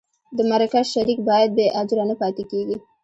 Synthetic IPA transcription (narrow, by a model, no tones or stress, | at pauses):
d̪əmaɾakaʃaɾikbɑjad̪̚beʔɑd͡ʒɾanəpɑt̪ekeɡi